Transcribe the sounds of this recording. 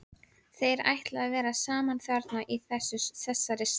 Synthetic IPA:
θejɛɾa̰jht̪lavɛːɾasaːmanθaɾt̪naʔiθɛsːʏsθɛsːaɾɪs

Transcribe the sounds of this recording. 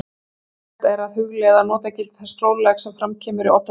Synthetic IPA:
t̪ɛɾaðhʏɣlɛːðanɔːt̪acɪlt̪θst̪ɾoːwllɛxsɛmfɾamcʰɛːmʏɾɪɔt̪ː

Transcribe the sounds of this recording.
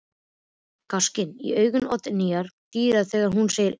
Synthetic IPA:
kascɪnḭœːɥɣʏnɔt̪nijaɾ̥t̪iːɾaðθɛːɣaɾ̥ɦunsejɪɾ

